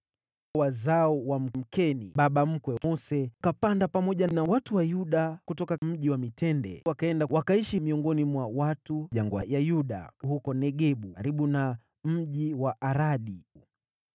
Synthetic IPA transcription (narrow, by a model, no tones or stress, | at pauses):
wazaɔwam̩m̩kɛniɓaɓam̩kwɛɔsɛkapandapamɔʄanawatuwajuɗakutɔkam̩ʄiwamitɛndɛ̰wakaɛndawakaiʃimiɔŋɡɔnimwawatuʄaŋɡwajajuɗa̰hukɔnɛɠɛɓuaɾiɓuna | m̩ʄiwaʔaɾaɗi